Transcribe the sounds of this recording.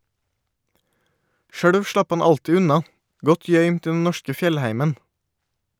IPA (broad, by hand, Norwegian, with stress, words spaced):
ˈʃøːɽʋ ˈʃlɑp ˈhɑn ˈɑltɪ ˈʉnɑ ˈɡɔt ˈjœʏmt ˈiː ˈdɛn ˈnɔʃkə ˈfjɛlˌhæɪmən